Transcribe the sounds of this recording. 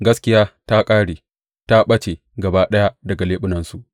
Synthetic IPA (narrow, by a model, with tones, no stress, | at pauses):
ɡɐ˦skʲɪ˦jaː˦ta˦kʼaː˦ɽeː˨ | ta˦ɓɐ˦t͡ʃe˨ | ɡɐ˨baː˦ɗɐ˦ja˦dɐ˨ɡa˨leː˦ɓʊ˦nɐ˨nsu˨ʔ